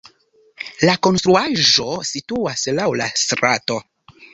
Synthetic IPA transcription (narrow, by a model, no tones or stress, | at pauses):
lako̞nstɾuaʒo̞situaslawlastɾato̞